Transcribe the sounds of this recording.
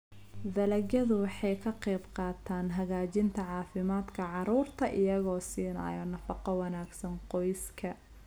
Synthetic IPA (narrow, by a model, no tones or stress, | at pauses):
d̪ɐlɐɡɐðʊwɑħɑjkʰɐqɛjbqɑːt̪ʰaːnɦɐɣaːt͡ʃɪnt̪ʰɐʕɑːfɪmaːd̪kʰɐʕɑɾuːrt̪ʰɐʔɪjɐɣɔːsiːnɐ̰jɔnɐfɑqɔwɑnaːɡsɐnqɔjskʰɐ